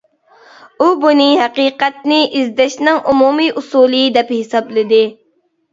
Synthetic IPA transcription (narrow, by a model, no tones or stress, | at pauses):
ubunɨɦæqiːqɛt̪̚nɪʔizd̪ɛʃnɪŋʔumumiʔusuːlˠɨjd̪ɛphɪsɑblˠɨd̪ɨ